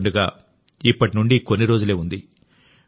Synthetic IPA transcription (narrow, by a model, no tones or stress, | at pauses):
ɳɖuɡaː | ipːɐʈinuɳɖikonːiɾo̞ːd͡ʒule̞ːund̪i